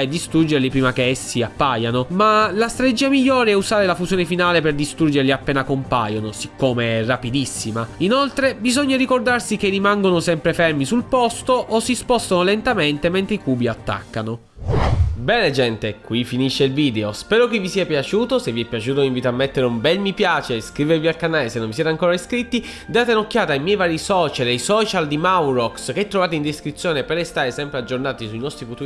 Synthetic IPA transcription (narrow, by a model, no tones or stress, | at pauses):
ed̪ːist̪ɾud͡ʒerlipɾiːmak̟eɛsːiapːajanomalast̪ɾaɾt̪ed͡ʒiːamiʎːoːɾeɛuzaːɾelafuzjoːnefinaːleperd̪ist̪ɾurd͡ʒerliapːeːnakompajonosikːoːmeɛrːapid̪isːimainolt̪ɾebizoɲːaɾikord̪arsik̟erimaŋɡonosɛmpɾefɛrmisulpɔst̪oʔosːispɔst̪anolent̪ament̪ement̪ɾeikuːbiat̪ːa̰kːano | bɛːned͡ʒɛnt̪ekwifiniʃːeilviːd̪eospɛːɾokevːisiapjat͡ʃuːt̪oseviɛpːjat͡ʃuːt̪̬oiɱviːt̪oamːet̪ːeɾeumbɛnmipjaːt͡ʃeskɾiːvevialkanaːlesenːonɱvisjɛːt̪eaŋkoːɾaiskɾit̪ːi | d̪aːt̪enokːjaːt̪ajmjɛjvaːɾisɔːt͡ʃalajsɔːt͡ʃald̪imawrɔksk̟eɛt̪ːɾovaːt̪eind̪eskɾit̪sːjoːnepeɾest̪aːɾesɛmpɾead͡ʒːornaːt̪isuinɔst̪ɾifut̪uː